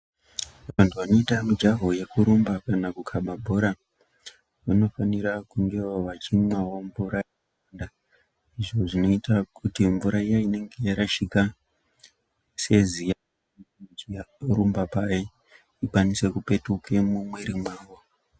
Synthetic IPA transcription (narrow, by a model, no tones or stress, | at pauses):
ʋantʰuano̞itamud͡ʒaɦo̞je̞kuɾumbakanakukʰaɓabʱo̞ɾa | uno̞faniɾakuŋɡe̞oʋat͡ʃimwawo̞ɱvuɾa | anda | iʐo̞ʐino̞itakʰutiɱvuɾaijaine̞ŋɡe̞jaɾaʃika | se̞zija | iaɾumbapaje | ikwanise̞kupe̞tuke̞mumweɾimwaːwo